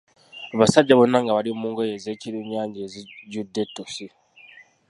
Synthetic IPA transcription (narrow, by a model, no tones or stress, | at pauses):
aβasaɟːaβonːaŋɡaβalimuːŋɡojeze̞ːciɾiɲːaːɲɟeːziɟudːe̞tːosi